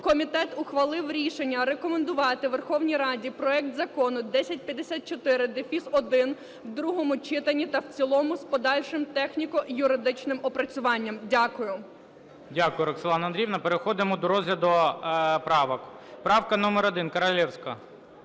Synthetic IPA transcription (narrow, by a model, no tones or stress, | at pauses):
kɔmʲit̪ɛt̪ʊxʋɐlˠɪwɾʲiʃenʲːɐɾekɔmend̪ʊʋɑt̪ɪʋerxɔwnʲijɾɑdʲipɾɔɛkt̪zɐkɔnʊd̪ɛsʲɐt̚ʲpʲjɐd̪esʲat̪̚t͡ʃɔt̪ɪɾɪd̪efʲisɔd̪ɪn | wd̪ɾuɦɔmʊt͡ʃɪt̪ɐnʲit̪ɐwt͡sʲilˠɔmʊspɔd̪ɑlʲʃɪmt̪ɛxnʲikɔjʊɾɪd̪ɪt͡ʃnɪmɔpɾɐt͡sʲʊʋɑnʲːɐmdʲakʊjʊ | dʲakʊjʊɾɐkselˠɑnɐnd̪ɾʲiwnɐpeɾexɔd̪ɪmɔd̪ɔɾɔzɦlʲɐd̪ʊpɾɑʋɔk | pɾɑwkɐnɔmɛɾɔd̪ɪnkɐɾɐlʲɛwsʲkɐ